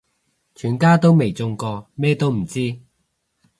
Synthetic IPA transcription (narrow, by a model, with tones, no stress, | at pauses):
t͡ʃʰyː˨˩nkaː˥t̪o˥wme˨˩jt͡sʊ˧ŋkɔː˧mɛː˥t̪o˥wm̩˨˩t͡siː˥